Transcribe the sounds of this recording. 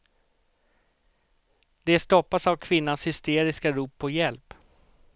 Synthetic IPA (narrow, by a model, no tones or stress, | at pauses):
d̪ɛst̪ɔpːasavkʰvɪnːanshʏst̪eːɾɪskaɾuːpʰːɔjɛlp